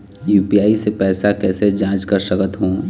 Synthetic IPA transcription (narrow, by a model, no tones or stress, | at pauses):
juːpijaːisepɛːsakɛːsed͡ʒãːt͡ʃkəɾsəkət̪ɦõː